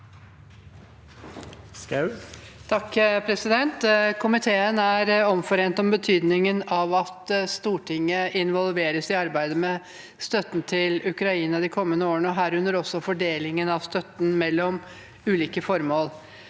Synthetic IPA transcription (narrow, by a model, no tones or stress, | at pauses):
t̪ʰɑkːpʰɾɛsɪd̪ɛnt̪kʰʊmɪt̪ʰeːənæɾɔmfɔɾeːnt̪ɔmbət̪ʰyːd̪nɪŋənɑʋɑt̪st̪uːʈʰɪŋːəɪnʋɔlˠʋeːɾəsɪɑɾbæɪd̪əmɛ | st̪œt̪ːnt̪ʰɪlʉkɾɑiːnɑd̪ɪkʰɔmːənəoːəɳəɔɦæːɾʉnːəɾɔsːɔfɔɖeːlɪŋənɑʋst̪œt̪ːn̩mɛlːɔm | ʉːliːkəfɔɾmoːl